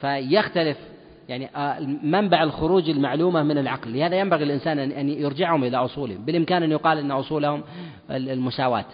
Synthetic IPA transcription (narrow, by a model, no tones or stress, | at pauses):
fajaxt̪alɪf | jaʕniʔmambaʕɪlxʊɾuːd͡ʒɪlmaʕluːmamɪnɪlʕɑqlːɪhaːðajambaɣilɪlʔɪnsaːnʔʔanjɪɾd͡ʒɪʕhʊmʔɪlaʔʊsˤuːlibɪlʔɪmkaːnʔɪnːjʊqɑːlʔɪnːaʔʊsˤuːlahʊm | lmʊʃaːwa̰ːt̪